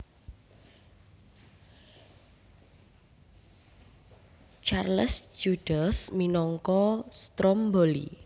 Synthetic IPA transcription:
t͡ʃarləsd͡ʒuɖ̥asminɔŋkɔst̪ɾɔmbolḭ

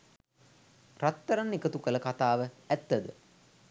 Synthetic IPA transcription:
rat̪ːɐɾanːikət̪ukələkat̪aːʋəæt̪ːəd̪ə

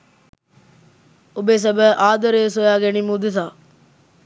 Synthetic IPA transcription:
ubeːs̬ɐbəʔaːd̪əɾeːs̬ojaːɡenimud̪et̪aː

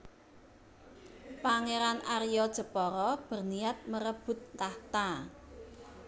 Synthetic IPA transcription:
paŋeɾanʔaɾjɔd̥ʒ̥ə̤pɔɾɔb̥ə̤rniat̪̚məɾəb̥ʊ̤t̪̚t̪aht̪a

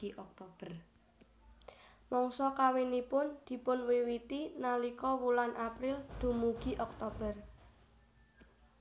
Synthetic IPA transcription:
iʔɔk̚t̪ob̥ər | mɔŋsɔkawinipʊnd̪̥i̤pʊnwewit̪inalikɔwulanʔapɾɪld̪̥ṳmuɡ̥i̤ʔɔk̚t̪ob̥ər

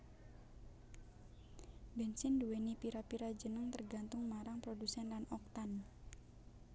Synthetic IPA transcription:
bɛnsɪnduwenipiɾapiɾad͡ʒənəŋt̪ərɡa̤nt̪ʊŋmaɾaŋpɾodusɛnlanɔk̚t̪an

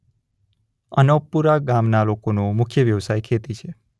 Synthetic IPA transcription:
ənəpːuɾaɡamnalokonomʊkʰjəʋjəʋsajkʰet̪it͡ʃʰe

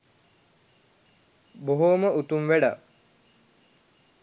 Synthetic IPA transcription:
boɦoməut̪umʋeɖa

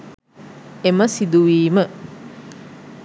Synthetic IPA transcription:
eməsid̪uʋiːmə

